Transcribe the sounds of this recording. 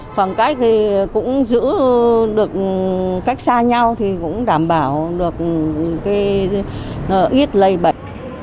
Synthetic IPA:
xwaː˨˩nkaː˦˥jk̚t̪ʰi˨˩kʊ̰˧˥ŋ͡mzɨ̰˧˥ɗɨ˨˩ək̚ka˦˥jk̚saː˧ɲa˧wt̪ʰi˨˩kʊ̰˧˥ŋ͡mɗaː˧˩mɓaː˧˩wɗɨ˨˩ək̚kaː˨˦j | ʔi˦˥ət̚lə˧˩jɓə˧˩˨jk̚

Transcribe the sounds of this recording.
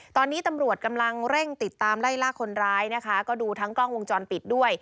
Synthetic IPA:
t̪ɔː˧nːiː˦˥t̪a˧mɾu˨˩ət̪̚ka˧mla˧ŋɾe˥˩ŋt̪i˨˩t̪ːaː˧mla˥˩jlaː˦˥˩kʰːo˧nɾaː˦˥jna˦˥kʰa˦˥kɔː˥˩duː˧t̪ʰa˦˥ŋklɔː˥˩ŋwo˧ŋt͡ɕɔː˧npi˨˩t̪̚du˥˩əj

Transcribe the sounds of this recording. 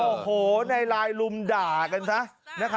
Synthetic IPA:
o˨˩hoː˨˩˦na˧jlaː˧jlu˧mdaː˨˩ka˧nsa˦˥ma˦˥kʰa˦

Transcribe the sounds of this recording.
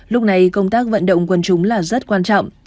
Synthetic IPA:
lʊ˦˥k͡p̚na˨˩jkə˧wŋ͡mt̪aː˦˥k̚və̰˧˨nɗə̰˧˨wŋ͡mkwə˧nt͡ɕʊ˨˦ŋ͡mlaː˨˩zə˦˥t̚kwaː˧nt͡ɕɔ̰˧˨ŋ͡m

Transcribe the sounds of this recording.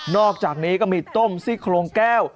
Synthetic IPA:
nɔː˥˩k̚t͡ɕaː˨˩k̚niː˦˥kɔː˥˩miː˧t̪o˥˩msi˥˩kʰloː˧ŋkɛː˥˩w

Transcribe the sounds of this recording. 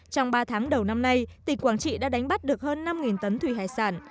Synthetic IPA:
t͡ɕɔ˧wŋ͡mɓaː˧t̪ʰaː˨˦ŋɗə˨˩wna˧mna˧jt̪ï˨˩ŋ̟kwaː˧˩nt͡ɕḭ˧˨ɗa̰ː˧˥ɗa˨˦jŋ̟ɓa˦˥t̚ɗɨ˨˩ək̚həː˧nːa˧mŋi˨˩nt̪ə˨˦nt̪ʰwi˧˩ɦaː˧˩jsaː˧˩n

